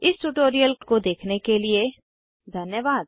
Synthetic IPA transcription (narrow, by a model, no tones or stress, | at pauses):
ɪsʈuʈoːɾijəlkod̪eːkʰnekelie | d̪ʱɐnjəʋaːd̪̚